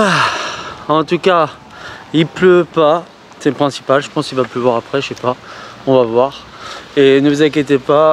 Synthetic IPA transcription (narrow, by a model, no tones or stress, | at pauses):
a | ɑ̃t̪uka | ilpløpa | sɛpχɛ̃si̥palʒəpɑ̃skilvapləvwaʁapχɛʃɛpaɔ̃vavwaʁ | enəvuzãk̬ʲjet̪epa